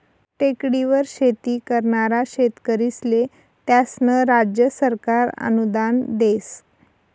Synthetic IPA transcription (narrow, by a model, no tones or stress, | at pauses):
ʈekɽiʋəɾɕet̪iːkəɾɳaɾaɕet̪kəɾisle | t̪jasnəɾad͡ʑjəsəɾkaɾə̰nud̪and̪es